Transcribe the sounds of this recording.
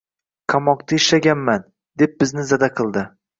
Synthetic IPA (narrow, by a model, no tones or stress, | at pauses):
qʰamɒqt̪ʰaɪʃlaɡʲanman | d̪e̞p̚bɪznɪzad̪aqʰɨlˠd̪ɪ